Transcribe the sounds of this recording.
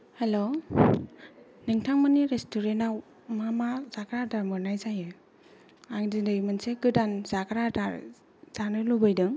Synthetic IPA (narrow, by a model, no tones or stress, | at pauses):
helo | niŋtʰaŋmɯniɾestuɾenaw | mamazakɾadaɾmɯɾnajzajɯ | aŋdindɯjmɯnsekɯdanzakɾadaɾ | z̥anɯlubɯjdɯŋ